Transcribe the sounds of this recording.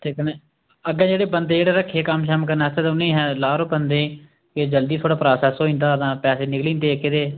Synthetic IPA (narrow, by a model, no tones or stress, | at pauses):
ʈʰɪːkne | əɡãːd͡ʒeːɽeːbənd̪eːd͡ʒeːɽeːɾəkʰːeːkəmʃəmkəɾnaːst̪eːt̪ːʊnːẽːɦɛːlaːɾõːbənd̪ẽː | ked͡ʒəld̪iːt̪ʰoːɽaːpɾaːsaːsoːĩːnd̪aːəd̪ãːpɛːseːnɪklĩːnd̪eːkɪd̪eː